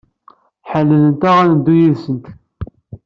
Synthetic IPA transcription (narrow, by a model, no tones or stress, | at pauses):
ħəlːələnt̪æʁænəd̪ːujiðsənt̪